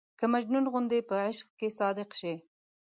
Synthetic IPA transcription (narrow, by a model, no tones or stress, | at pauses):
kəmad͡ʒnunɣʊnd̪epəʕɪʃqkesɑd̪ɪqʃe